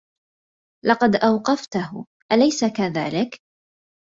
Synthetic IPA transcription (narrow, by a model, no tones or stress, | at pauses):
lɑqɑd̪ʔawqɑft̪aɦʊ | ʔalajsakaða̰ːlɪk